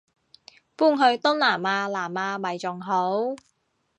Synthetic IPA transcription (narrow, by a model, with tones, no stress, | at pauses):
puː˥˩ŋɦɵ˧ɥt̪ʊ˥ŋlaː˨˩maː˧laː˨˩maː˧mɐ˨˩jt͡sʊ˨˩ŋɦo˨˥w